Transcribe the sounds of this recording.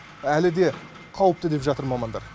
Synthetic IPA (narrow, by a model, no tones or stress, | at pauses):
ælɪd̪e̞ | qʰɑwəp̚t̪əd̪e̞pʒɑt̪əɾmɑmɑnd̪ɑ̰ɾ